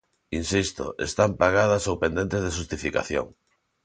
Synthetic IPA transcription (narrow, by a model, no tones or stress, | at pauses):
insist̪o̰ʔḛst̪ampaɣað̞ɐsowpend̪ent̪ezðeʃust̪ifika̰θjo̰ŋ